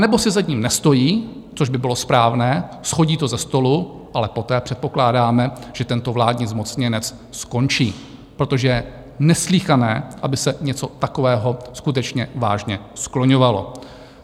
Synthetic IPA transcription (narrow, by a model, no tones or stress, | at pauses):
nɛbo̞sɪzaɲiːmnɛst̪o̞jiː | t͡soʒbɪbɪlo̞spɾaːvnɛːsxo̞ɟiːt̪o̞zɛst̪o̞lu | ʔalɛpo̞t̪ɛːpr̝̥ɛt̪̚po̞klaːdaːmɛʒ̥ɛt̪ɛnt̪o̞vlaːdɲiːzmo̞t͡sɲɛnɛt͡s | sko̞nt͡ʃiː | pɾot̪o̞ʒɛjɛ | nɛsliːxanɛ̰ːʔabɪsɛɲɛt͡so̞t̪akovɛːɦo̞skut̪ɛt͡ʃɲɛvaːʒɲɛsklo̞ɲovalo̰